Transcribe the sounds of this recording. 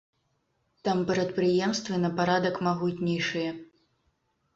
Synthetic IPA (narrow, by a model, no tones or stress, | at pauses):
t̪ampɾɐt̪̚pɾɨjɛmst̪vɨnɐpaɾad̪ɐkmaɣutʲnʲɛjʂɨjɛ